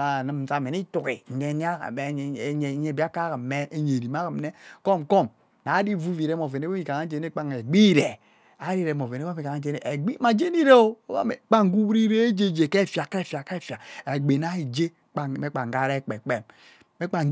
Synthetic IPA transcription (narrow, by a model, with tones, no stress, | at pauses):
a˨nɨ˨m˨sa˨me˨ni˦tu˨ɣi˨ŋ̩˨ɡe˨ni˦a̰˦˨˦ɲ˨˦ɲe˨˦bi˦a˦ka˦ka˨mme˦e˦ɲe˨ɾi˨m˦a˦ki˨m˦ne˦ko˦mkɔ˦˨m | na˨˦di˦˨vu˦vi˨ɾe˦mo˨ve˨ne˦o˦mi˨ka˨ŋa˦d͡ʒe˨n˦e˦k͡pa˦ŋe˨ɡ͡bi˦˨ɾe˨ | a˨˦ɾi˦ɾe˨mo˨ve˨ne˦a˦mi˨ka˨ŋa˦d͡ʒe˨˦ḛ˨ʔɡ͡bi˦ma˨d͡ʒe˦ni˦ɾe˦o˦o˦ba̰˦e˨k͡pa˦ŋ˦ɡu˦wɾi˦ɾe˦e˦d͡ʒe˦˨d͡ʒe˨ke˦˨fa˨ka˦e˦˨fja˨ka˦e˦˨fa˨e˨ɡ͡be˨na˦i˨d͡ʒe˦ | k͡pa˨me˦k͡pa˨ŋ˨ɡa˦ɾe˦˨k͡pe˨k͡pe˦˨m | me˦k͡pa˨ŋ˦